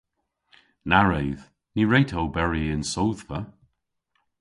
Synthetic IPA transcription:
naɹejð | niɹejtʰowbɛɹiɪnsowð̥və

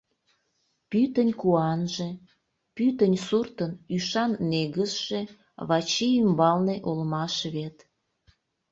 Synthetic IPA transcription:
pyt̪ənʲkuɑnʒe | pyt̪ənʲsurt̪ənyʃɑnːeɣəʃʒ̥e | βɑt͡ɕiymbɑlneʔolmɑʃβet̪

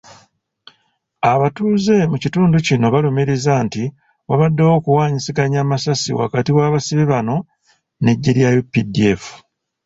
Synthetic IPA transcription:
aβatuːze̞mucituːnducino̞βalumiɾizanti | waβadːewo̞ːkuwaːɲisiɡaɲaːmasasḭwa̰katiwaːβasiβiβano̞ | ne̞ɟːeɾjajupːidiefu̥

